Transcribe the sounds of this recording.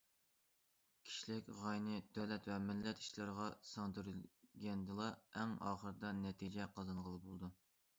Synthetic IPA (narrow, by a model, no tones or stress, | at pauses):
kʲʰi̥ʃlɪkʲʁɑjnɨd̪øwlɛt̪vɛmɪlːɛt̪ʰi̥ʃlɨɾəʁɑsɑŋd̪yɾylɡʲɛnd̪ɨlˠɑɛŋɑ̰ːχəɾɨd̪ɑnɛt̪ʰid͡ʒɛqʰɑzɑnʁəlˠɨbolˠd̪u